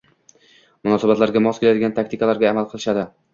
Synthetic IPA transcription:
mʊnɒsabat̪laɾɡʲamɒskʲʰelad̪ɪɡʲant̪ʰak̚ʲt̪ɪkalaɾɡʲaːmalˠqʰɨlˠɪʃad̪ɪ

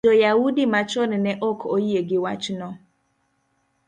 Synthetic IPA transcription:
ojawudimat͡ʃonnɛʔɔkʰojieɡɪwat͡ʃnɔ

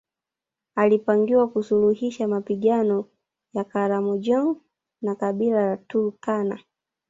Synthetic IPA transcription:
alipaŋɡiwakusuluhiʃamapiɠanɔ | jakaɾamɔd͡ʒɔŋ | nakaɓilajatukana

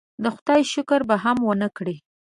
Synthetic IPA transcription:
d̪əxʊd̪ɑjʃʊkəɾbaɦamwənəkɽi

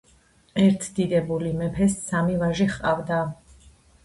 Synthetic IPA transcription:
ɛɾt̪ʰd̪̥id̪ɛbulimɛpʰɛsːamivaʒiχqʼavd̪a

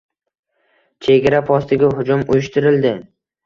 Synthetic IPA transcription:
t͡ʃʰe̞ɡʲaɾapʰɒst̪ɪɡʲaɦʊd͡ʒʊmʊjɪʃt̪ɪɾɪld̪ɪ

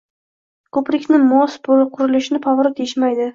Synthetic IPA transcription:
kʰɵpɾɪkʲnɪmɒsbolɪqʰʊɾɪlɪʃɪnɪpʰɒvɾɪt̪ʰeʃmajd̪ɪ

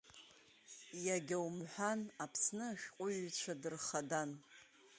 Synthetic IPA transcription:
jaɡʲawmħʷanapʰsnɨʃʲᶣqʷʼʊɥt͡ɕʷʰadɨrχadan

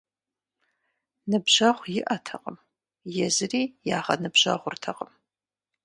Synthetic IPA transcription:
nɨbʒɐʁʷjɪʔɐtʰɐqʼəm | jɛzɨriːjaːʁɐnɨbʑɐ̰ʁʷʊrtʰɐqʼəm

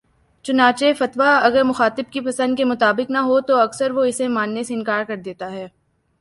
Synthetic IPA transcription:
t͡ʃʊnaːt͡ʃefɐt̪ʋaɐɡəɾmʊxaːt̪ɪb̚kipɐsə̃nd̪̚kemʊt̪aːbɪknɐɦot̪oɐksəɾʋoɪsemaːnːeseɪnkaːɾkɐɾd̪eːt̪aɦɛː

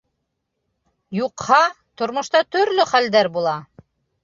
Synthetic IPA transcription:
juqhɑ | t̪ŏɾmŏʃt̪ɑt̪ɵ̆ɾlɵχæld̪æɾbulˠɑ

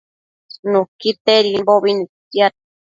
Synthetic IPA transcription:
nũkit̪eɾimboβinit̪ia

